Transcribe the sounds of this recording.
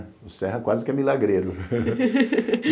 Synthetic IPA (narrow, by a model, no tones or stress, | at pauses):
ʊsɛɦɐkwazɪkɪɛmilaɡɾeɾʊ